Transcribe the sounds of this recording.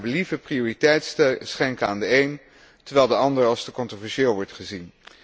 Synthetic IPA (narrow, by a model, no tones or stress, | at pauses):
bəlivəprioːritɛjtssχɛŋkəaːndəejn | tɛɹʋɛlˠdəɑndəɹɑlˠstəkɔntrovɛɹʃɪːlˠʋɔɹtχəzin